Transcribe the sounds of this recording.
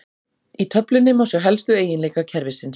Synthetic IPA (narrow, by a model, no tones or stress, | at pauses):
it̪ʰœplɪnːɪmawsjɛɦɛlst̪ʏeːjɪnleːkacʰɛɾvɪsɪns